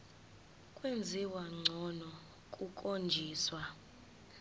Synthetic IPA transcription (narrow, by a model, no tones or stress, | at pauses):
kʼwend͡zʱiwaŋ͡ǀʱɔnɔ | kʼukʼond͡ʒʱiːswa